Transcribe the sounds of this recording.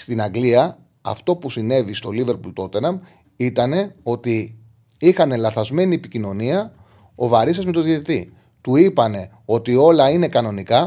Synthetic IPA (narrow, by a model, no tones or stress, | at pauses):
st̪inɐɡliɐ | ɐ̰ft̪o̞pusine̞vist̪o̞live̞ɾpult̪o̞t̪e̞nɐm | it̪ɐne̞o̞t̪i | ixɐne̞lɐθɐzme̞niepicino̞niɐ | o̞vɐɾisɐzmet̪oðiet̪i | t̪uipɐne̞ | o̞t̪io̞lɐine̞kɐno̞nikɐ